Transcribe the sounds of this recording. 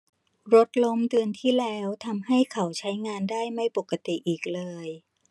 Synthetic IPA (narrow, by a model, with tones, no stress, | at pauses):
ɾo˦˥t̪̚lo˧mdɯ˧ənt̪ʰiː˥˩lɛː˦˥wt̪ʰa˧mɦa˥˩jkʰa˩˦wt͡ɕʰa˦˥jŋaː˧ndaː˥˩jma˥˩jpo˨˩kːa˧t̪i˨˩ʔiː˨˩k̚lɤː˧j